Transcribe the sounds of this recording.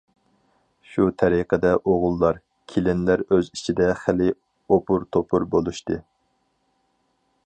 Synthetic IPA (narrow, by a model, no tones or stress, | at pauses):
ʃut̪ʰɛɾiqʰəd̪ɛʔoʁʊlˠːɑɾ | kʲʰelɪnlæɾøzit͡ʃʰid̪ɛχælɪ | opʰuɾt̪ʰopʰuɾbolˠuʃt̪ɨ